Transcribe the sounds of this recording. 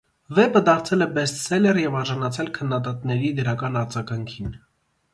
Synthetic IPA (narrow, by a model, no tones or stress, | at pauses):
vɛbəd̪ɑɾt͡sʰɛlɛbɛst̪sɛlɛɾjɛvɑɾʒɑnɑt͡sʰɛlkʰənːɑd̪ɑt̪nɛɾid̪əɾɑkɑnɑɾd͡zɑɡɑŋkʰin